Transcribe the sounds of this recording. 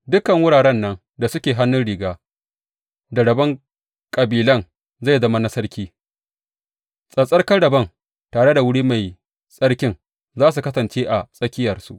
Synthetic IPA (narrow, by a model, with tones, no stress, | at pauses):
dʊ˦kɐ˨ŋwʊ˦ɽaː˨ɽɛ˦nːɐ˦ŋ | da˨sʊ˦kʲeː˨ɦa˦nːʊ˦nɽɪː˨ɡaː˦ | da˨ɽɐ˨bɐ˦ŋ | kʼɐ˨biː˨lɐ˦˨n | za˦˨jzɐ˦ma˦nɐ˦sɐ˦rkʲiː˦ | sʼɐ˨sʼɐ˦kɐ˦ɽɐ˨bɐ˦ŋ | taː˨ɽe˦da˨wʊ˦ɽiː˦ma˨j | sʼɐ˦rkʲɪ˦ŋ | zaː˦s̬u˨kɐ˦sɐ˨nt͡ʃeː˦ʔa˨sʼɐ˦kʲɪ˦jɐ˨rsṵ˦ʔ